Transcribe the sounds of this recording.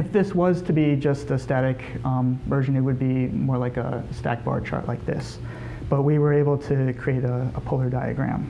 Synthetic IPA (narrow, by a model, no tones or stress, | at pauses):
ɨfðɪswʌz̥tʰɨbid͡ʒʌstɨstæɾɨkʌ̃mvɜ˞ʒɨ̃nɨt̚wɨd̚bimɔɹlaɪkə̰stæ̰k̚b̥ɑ̰ɹd̚t͡ʃʰɑ̰ɹʔlʔaɪk̚ðɪ̰s | b̥ʌt̚wiwə˞eɪbl̩ˠtʰɨkʰɹ̥ieɪɾəəpʰʊlˠə˞daɪɨ̰ɡɹæ̰̃m